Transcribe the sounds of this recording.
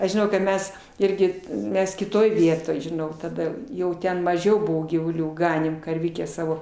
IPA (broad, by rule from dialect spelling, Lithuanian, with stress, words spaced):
ɐʃ ʒʲɪˈnɐʊ kɐt ˈmʲɛs ˈɪrʲɡʲɪ ˈmʲɛs kʲɪˈtoːj ˈʋʲiɛtoːj ʒʲɪˈnɐʊ tɐˈdɐ ˈjɛʊ ˈtʲɛn mɐˈʒʲɛʊ ˈbʊʋoː ɡʲiːʋʊˈlʲuː ˈɡɑːnʲeːm kɐrʲˈʋʲɪkʲæː ˈsɑːʋoː